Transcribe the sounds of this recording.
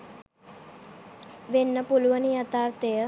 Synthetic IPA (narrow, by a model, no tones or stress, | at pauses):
ʋenːəpulʋənijat̪aɾt̪ejə